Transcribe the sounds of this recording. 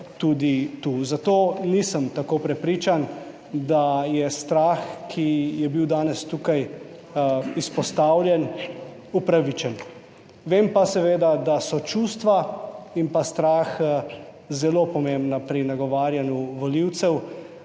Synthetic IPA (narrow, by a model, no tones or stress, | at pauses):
t̪uːd̪it̪uzat̪oːnisəmt̪akopɾɛpɾiːt͡ʃan | d̪ajɛst̪ɾaːxkʰijɛbiwd̪aːnɛst̪uːkaj | ispɔst̪aːwlʲjɛn | upɾaʋit͡ʃɛn | ʋeːmpasɛʋeːd̪ad̪asɔt͡ʃuːst̪ʋaimpast̪ɾaːx | zɛlopɔmembnapɾinaɡɔʋaːɾjanjuʋɔliwt̪sɛw